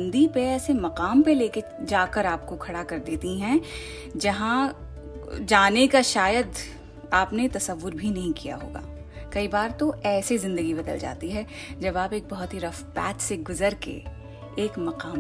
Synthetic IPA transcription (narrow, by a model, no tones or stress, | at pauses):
nd̪ipeɛːsemɐqaːmpeleːked͡ʒaːkəɾaːp̚kokʰɐɽakɐɾd̪eːt̪iɦɛ̃ | d͡ʒɐɦã | d͡ʒaːnekaʃaːjəd̪ | aːpnet̪ɐsəʋːʊɾbʱinɐɦĩkija̰ɦo̰ːɡa̰ː | kɐibaːɾt̪oɛːsezɪ̃nd̪əɡibɐd̪ə̰ld͡ʒa̰ːt̪iɦɛ | d͡ʒɐbaːpeːk̚bɐɦʊt̪ɦiɾɐfpɛ̰ːt͡ʃseɡʊzəɾkḛ | eːkmɐqaːm